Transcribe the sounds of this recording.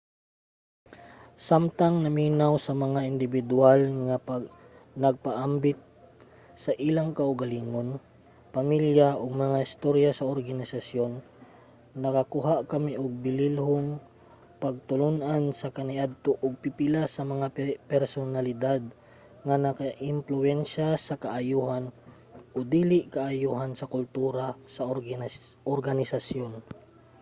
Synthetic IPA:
samt̪aŋnɐmiːnawsɐmɐŋaʔɪnd̪ɪbɪd̪ʊalŋapa | nɐɡ̚paʔambɪt̪̚ | sɐʔilaŋkɐʔʊɡaliːŋon | pɐmiljaʔʊɡ̚mɐŋahɪst̪oɾjasɐoɾɡɐnɪsasjo̞nː | ɐkɐkʊɦaʔkɐmiʔʊɡ̚bɪlilɦoŋ | pɐɡ̚t̪ʊlʊnʔansɐkɐnɪʔad̪̚t̪oʔʊɡ̚pɪpɪlasɐmɐŋapɛɾsonalɪd̪ad̪̚ | ŋanɐkaʔɪmplʊɛnʃasɐkɐʔajuːhan | ʔod̪iːlɪʔkɐʔajuːɦansɐkʊlt̪uːɾasɐ | ʔoɾɡanɪsasjon

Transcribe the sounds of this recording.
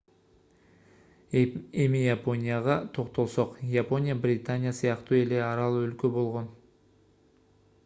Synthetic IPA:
emɪjapo̞nʲijaʁɑt̪ʰo̞qt̪o̞lˠsoqjapo̞nʲijabrʲit̪anʲijasijɑqt̪əe̞leɑɾɑlˠɵlkʲe̞bo̞lˠʁo̞n

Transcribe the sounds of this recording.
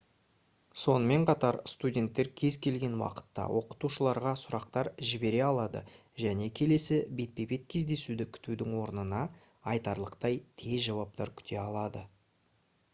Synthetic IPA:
so̞nəme̞ɴqʰɑt̪ɑɾst̪udʲe̞nt̪ːe̞ɾkʲʰe̞zkʲʰe̞lɡʲe̞nwɑ̰qə̥t̪ːɑ̰wʔo̞qə̥t̪uʃəlˠɑɾʁɑsʊɾɑq̚t̪ɑɾʒɪbe̞ɾe̞ɑlˠɑd̪ə̰ | ʒæne̞kʲʰe̞le̞sɪbe̞t̪̚pe̞be̞t̪̚kʲʰe̞zd̪e̞sud̪ɪkʲʰʏ̥t̪ud̪ɪŋwo̞ɾnənɑː | jt̪ɑɾlˠəqt̪ɑjt̪ʰe̞zʒɑwɑp̚t̪ɑ̰ɾkʲʰʏ̥t̪ʰe̞ɑlˠɑd̪ə

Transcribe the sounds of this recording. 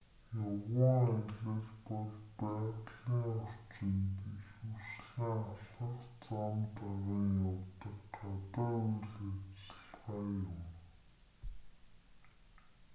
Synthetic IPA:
jʊwə̆ŋæɮɘ̆ɮpɔɮpæːʁɮiːŋɔr̥t͡ɕɪ̆npiɮusɮiŋaɬə̆χt͡samt̪aʁĭːŋjawt̪ə̆kɢat̪aːujɮet͡ssə̆ɮχaːjʊm

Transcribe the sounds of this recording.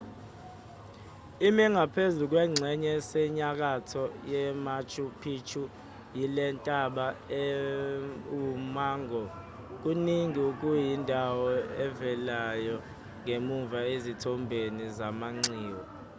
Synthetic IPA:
imɛŋɡʱapʰezuk̬wɛŋ͡ǀʱɛɲɛsɛɲak̬atʰɔjɛmat͡ʃʰʼupʰit͡ʃʰu | jilɛntʼaɓaɛ | umaːŋʱɔ | k̬uniŋiuk̬ʼujindʱawɔɛvɛlajɔ | ŋʱemuɱvaezitʰɔmbʱenizamaŋ͡ǀʱiːwɔ

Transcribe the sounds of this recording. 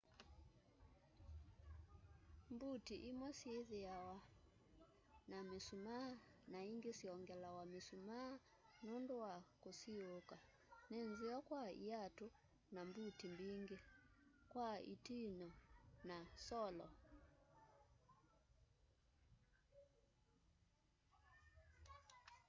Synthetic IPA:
mbutiʔimwɛsieðeawa | namesumanaiŋɡesiɔŋɡɛlawamesuma | nondoakosioka | nenziɔkwaḭatu | nambutimbiŋɡekwaḭtinɔnasɔlɔ̰

